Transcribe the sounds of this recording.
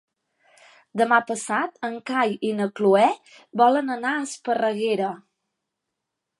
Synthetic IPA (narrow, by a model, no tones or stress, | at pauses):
d̪əmapəsat̪əŋkajinəkluɛ | bɔlənənaəspərəɣeɾə